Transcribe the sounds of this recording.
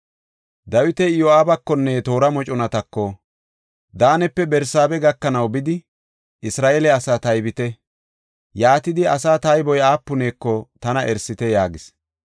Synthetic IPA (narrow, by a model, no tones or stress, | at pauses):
d̪ɐwɪt̪ɛjɔaːbɐkːɔnːet̪o̞ːɾɐmɔt͡ʃʼʊnɐt̪ɐkːɔ | d̪aːnɛpːɛbɛɾsaːbɛɡɐkːɐnɐwbɪd̪ɪ | ʔɪsɾaːʔelɛɐsaːt̪ɐjbɪt̪ɛ | jaːt̪ɪd̪ɪɐsaːt̪ɐjbɔjaːpːʊne̞ːkːɔt̪ɐnɐʔɛɾsɪt̪ɛjaːɡɪs